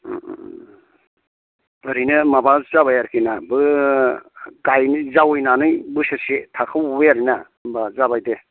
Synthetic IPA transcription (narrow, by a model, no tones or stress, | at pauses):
ɯɾinɯmabazaβajaɾkʰinabɯ | kajnzawɯjnanɯjbɯsasetʰakʰɯwbeaɾina | bazabajde